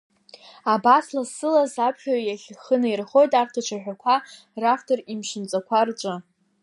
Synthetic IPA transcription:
abaslazsɨlazapʰχʲaɥjaχʲχənairχo̞jtʼartʰat͡ʃʷʰaħᶣakʷʰa | raftʰorimʂɨnt͡sʼakʷʰart͡ʃʷʼɨ

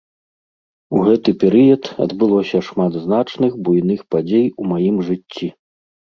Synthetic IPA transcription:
uɣɛt̪ɨpʲɛɾɨjɐt̪ɐ̰d̪bɨlˠɔsʲɐʂmad̪znat͡ʂnɨxbujnɨxpad͡zʲejumajimʐɨt͡sʲːi

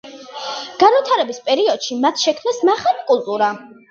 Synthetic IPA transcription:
ɡ̥aɾvit̪ʰaɾɛbispʼɛɾiɔd̪̥ʃimat̪ʰʃɛkʰmnasmaχalikʼulˠt̪ʼuɾa

